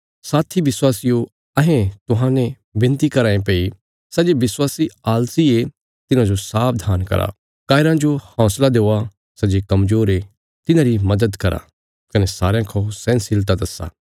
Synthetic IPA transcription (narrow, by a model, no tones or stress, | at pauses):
saːt̪ʰiʋɪswaːsijo | ɐɦẽt̪ʊɦãnẽ | bɪ̃nt̪ikɐɾaːẽpei | sɐd͡ʒebɪswaːsiaːlsie | t̪ɪnãd͡ʒosaːp̚ʰd̪ʱaːnkɐ̰ɾa̰ | kaːɪɾãd͡ʒohɔ̃ːslad̪eːa | sɐd͡ʒekɐmzoːɾe | t̪ɪnãɾimɐd̪əd̪kɐɾa̰ | kɐnesaːɾjãkʰɔsɛ̃ːnsɪlt̪ad̪ɐsːa̰ː